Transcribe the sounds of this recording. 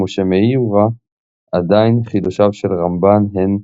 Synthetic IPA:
oʃemeiuʁa | ad̪ainχidoʃavʃelʁambanɦen

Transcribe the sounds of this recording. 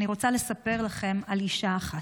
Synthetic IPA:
niʁo̞t͡sale̞sape̞ʁlaχe̞maliʃaːχat

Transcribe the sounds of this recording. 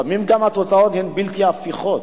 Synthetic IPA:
mimkamat͡sɔt͡sʼaɔnhɛnbiltʰiafiχɔt

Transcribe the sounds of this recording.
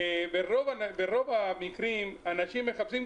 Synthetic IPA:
beʁovabeʁo̞vamikʁimanaʃimːeχapsim

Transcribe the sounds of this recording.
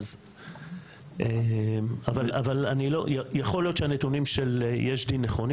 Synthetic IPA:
z | ʔemavala̰valanilo̰jajaχo̞ljo̞t̪t͡ʃeanet̪unimʃeljeʃdinːeχo̞n

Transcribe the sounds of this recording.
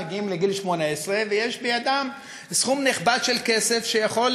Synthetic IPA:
ɡiimleɡilʃmo̞naesʁevejeʃbejad̪am | sχumniχbad̪ʃelkesefʃejaχo̞l

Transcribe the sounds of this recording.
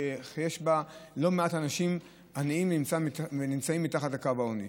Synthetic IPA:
ejeʃbalo̞meatanaʃim | anaimvnimt͡savenimt͡saimːitaχatakavaonḭ

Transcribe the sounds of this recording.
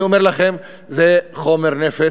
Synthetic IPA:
omeʁlaχem | zeχo̞me̞ʁnefe

